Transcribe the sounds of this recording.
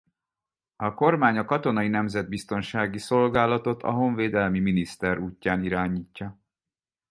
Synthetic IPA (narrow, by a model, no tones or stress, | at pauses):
ɒko̞rmaːɲɒkɒt̪o̞nɒinɛmzɛd̪̚bist̪o̞nʃaːɡiso̞lɡaːlɒt̪o̞t̪ʰɒ̰ɦo̞ɱveːd̪ɛlmiminist̪ɛɾuːcːaːniɾaːɲiːcːɒ